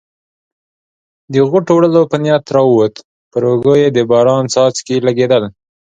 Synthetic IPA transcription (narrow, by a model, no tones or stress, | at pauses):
d̪əɣʊʈowɽəlopənjɑt̪ɾɑwwot̪ | pəɾoɡəjed̪əbɑɾɑnsɑt͡skelaɡed̪əl